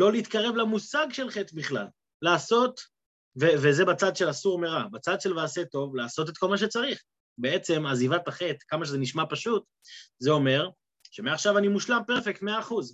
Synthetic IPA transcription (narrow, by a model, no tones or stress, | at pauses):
lo̞leːt̪kaʁe̞vlamusaɡʃe̞lχet̪biχla̰lː | aːso̞t | vevezebat͡sad̪ʃelasuʁmeʁabat͡sad̪ʃe̞lvaːset̪o̞vlaːso̞t̬et̪ko̞lmaʃ̬e̞t͡saʁiχ | beet͡se̞mazivataχe̞tkamaʃ̬ezeniʃmapaʃut̪ | zeo̞me̞ʁ | ʃe̞meaχʃavanimuʃlampeʁfek̚t̪me̞aːχuz